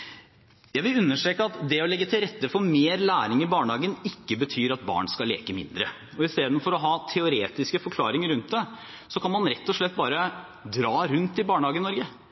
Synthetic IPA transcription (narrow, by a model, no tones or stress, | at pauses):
jæɪʋɪlʉnːəʂʈɾeːkəɑt̪d̪ɛɔlɛɡːət̪ʰɪlɾɛt̪ːəfɔɾmeːɾlæːɾɪŋɪbɑːɳhɑːɡənɪkːəbət̪ʰyːɾɑt̪̚bɑ̰ːɳskɑlḛːkəmɪ̰nd̪ɾə̰ | ɔɪst̪eːd̪n̩fɔɾɔɦɑːt̪ʰɛʊɾeːt̪ɪskəfɔɾkʰlɑːɾɪŋəɾʉnt̪̚d̪ɛ | sɔkʰɑnmɑnɾɛt̪ːɔʂɭɛt̪ːbɑːɾə | d̪ɾɑːɾʉnt̪ɪbɑːɳhɑːɡənɪnɔɾɡə